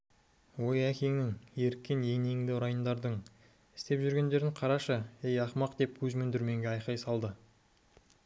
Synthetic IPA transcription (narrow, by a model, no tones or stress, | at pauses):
wo̞jækʲʰeŋnɪŋe̞ɾkʲːenje̞ŋne̞ŋd̪ɪʊɾɑjənd̪ɑɾd̪əɴ | ɪ̥st̪e̞pʒʏɾɡʲe̞nd̪e̞ɾɪɴqʰɑɾɑʃəejɑqmɑqd̪̥e̞p̚kʲʰɵzmʏnd̪ɪɾme̞ŋɡʲeɑjqɑjsɑlˠd̪ə